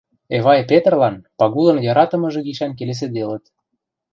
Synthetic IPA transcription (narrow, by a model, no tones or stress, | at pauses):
eβɑjpet̪̆rlɑnpɑɣulə̆njɑɾɑt̪ə̆mɤ̆ʒɤ̆ɡiʃɑnkeles̬ed̪elə̆t̪